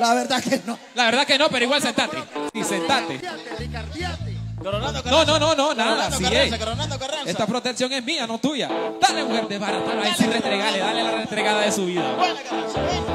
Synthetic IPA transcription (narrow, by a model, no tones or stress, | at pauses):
laβeɾðakenolaβeɾðakeno̞pe̞ɾoiɣwalsent̪at̪ḛsisent̪at̪e | a | nononononaðasied̪est̪apɾo̞t̪eksjo̞ŋezmiano̞t̪uʝa̰d̪alemuxeɾd̪eβaɾataɾajsirest̪ɾeɣaleðalelarest̪ɾeɣaðaðesuβiða̰w